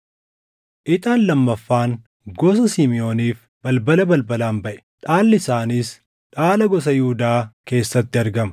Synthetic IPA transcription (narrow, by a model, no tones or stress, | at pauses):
ʔɪt̪aːnlɐmːɐfːaːŋ | ɡɔs̬ɐsiːmɪjo̞ːniːf | b̥ɐlbɐlɐbɐlbɐlaːmbɐʔɛ̥ᶑaːlːɪsaːniːs | ᶑaːlɐɡɔs̬ɐjɪhuːd̪aːke̞ːsːɐt̪ːɪɐɾɡɐmɐ̥